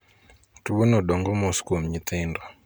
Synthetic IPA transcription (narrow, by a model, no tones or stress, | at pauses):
tuɓonɔɗɔŋɡɔmoskomɲit̪endɔ